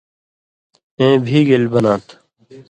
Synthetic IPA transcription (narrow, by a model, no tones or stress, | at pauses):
ẽːbʱiːɡelbɐnãːt̪ʰ